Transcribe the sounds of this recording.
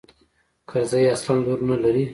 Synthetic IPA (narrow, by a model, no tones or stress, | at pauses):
kʰaɾzajaslɑnloɾnalaɾi